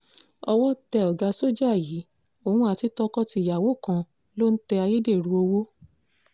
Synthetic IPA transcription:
ɔ˧wɔ˦tɛ˧ɔ˨ɡa˧so˦d͡ʒa˦˨ji˨˦ | o˧˨hũ˧˦a˨ti˨˦tɔ˧kɔ˦ti˧˨ja˨wo˨˦˨kã˧ | lo˦n̩˦tɛ˧a˧je˦de˦˨ɾũ˧˦o˧wo˦

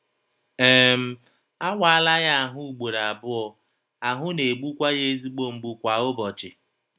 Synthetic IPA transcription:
e˦˨m̩˦ | a˦wʷa˦a˦la˦ɣa˦a˨ɦʊ˦u˨ɡ͡bo˨ɾa˨bʊ˦ɔ˨ | a˨ɦʊ˦ne˨ɡ͡bu˦kʷa˦ɣe˦e˦zi˦ɡ͡bo˦ŋ͡m̩˨ɡ͡bu˨kʷa˨ʊ˦bɔ˨t͡ʃɪ˨

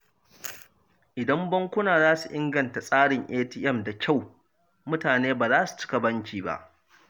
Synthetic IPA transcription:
ʔɪ˨dɐ˦mbɐ˦ŋkʷʊ˦naː˨zaː˦su˨ʔɪ˦ŋɡɐ˨nta˨sʼaː˦ɽɪ˨ŋʔeː˦tiː˦ʔɛ˦mda˨kʲʰa˦˨w | mʊ˦taː˨neː˦baː˨zaː˦su̥˨t͡ʃɪ̥˦ka˨bɐ˦ŋkʲiː˨ba̰˦ʔ

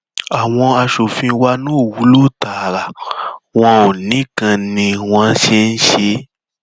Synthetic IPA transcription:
a˨w̃ɔ̃˧a˧ʃo˨fĩ˧˦wa˦nũ˦˨wu˨˦lu˦˨ta˨la˨wɔ̃˧o˨nĩ˨˦kã˧nĩ˧w̃ɔ̃˧n̩˦ʃe˧n̩˦ʃe˧

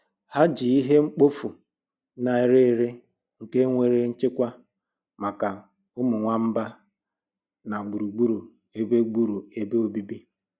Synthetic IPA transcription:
ha˦d͡ʒi˨i˦ɦe˦ŋ͡m̩˦k͡po˦fu˨ | na˨i˦ɾe˦˨ɾɪ˦ | ŋ̩˨ke˦ŋʷe˨ɾe˦n̩˦t͡ʃɪ˦kʷa˦ | ma˨ka˨ | ʊ˦mʊ˨ŋʷa˦m̩˦ba˦ | na˨ɡ͡bu˨ɾu˨ɡ͡bu˦ɾu˨ | e˦be˦ɡ͡bu˦ɾu˨e˦be˦o˦bi˦bi˦

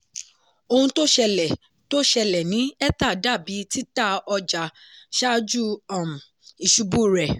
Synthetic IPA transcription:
o˧hũ˧to˦ʃɛ˧lɛ˨ | to˦ʃɛ˧lɛ˨nĩ˨˦ɛ˦ta˦˨da˦˨bi˨˦ti˦ta˦ɔ˧d͡ʒa˨ʃa˦d͡ʒu˦ɔ˦˨m˨ | i˨ʃu˨˧bu˦˨ɾɛ˨

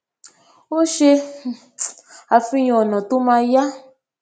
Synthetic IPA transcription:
wo˦ʃe˧ | a˨fi˧ɲɔ̃˨ɔ˨nɔ̃˨t̪u˦mã˧ja˦

